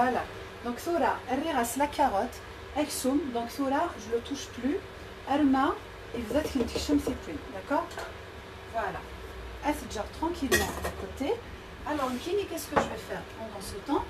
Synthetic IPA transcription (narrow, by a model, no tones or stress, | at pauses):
vwala | d̪ɔ̃kθoɾaɛriʁaslakʰaʁɔt̪ | ɛksumd̪ɔ̃kθoɾaʒələt̪uʃply | aɾma | evəzɛt̪kənt̪ə̥kʃəmset̪ʰind̪akɔːʁ | vwala̰ | ɛsəd̪ʒaʁt̪χɑ̃kʲʰilmɑ̃d̪akot̪e | alɔʁkʲinikʲɛskəʒəvɛfɛʁpɑ̃d̪ɑ̃sət̪ɑ̃